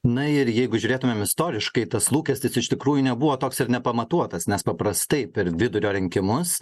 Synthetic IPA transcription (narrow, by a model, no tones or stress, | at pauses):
nɐɪɾjɛɪɡʊʒʲuːɾʲeːt̪ʊmʲemɪst̪oːɾʲɪʃkɐɪt̪ɐslˠuːkʲɛsʲt̪ʲɪsɪʃt̪ʲɪkɾuːjʊnʲɛbʊʋoːt̪oːksɪɾnʲɛpɐmɐt̪uɔt̪ɐsnʲɛspɐpɾɐst̪ɐɪpʲɛɾʋʲɪd̪ʊɾʲoːɾʲɪŋʲkʲɪmʊs